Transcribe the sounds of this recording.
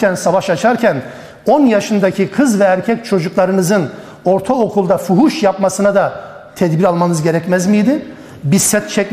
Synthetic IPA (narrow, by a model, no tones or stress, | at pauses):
ænsavaʃat͡ʃʰaɾcʰæn | o̞njaʃɯnd̪acʰikʰɯzvɛæɾcʰɛct͡ʃʰo̞d͡ʒuklˠaɾɯnɯzɯn | o̞ɾt̪ʰaokʰulˠd̪afuɦuʃjapmasɯnad̪a | t̪ʰɛd̪biɾalˠmanɯzɟe̞ɾɛcmæzmijd̪ɪ | bisɛt̪t͡ʃʰɛc